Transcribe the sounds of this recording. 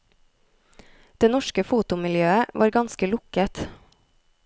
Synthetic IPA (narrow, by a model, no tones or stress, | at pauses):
d̪̥eːnɔʃkəfuːt̪ʊmɪljøːəʋʔɑ̰ːɾɡɑnskəlʊkət̪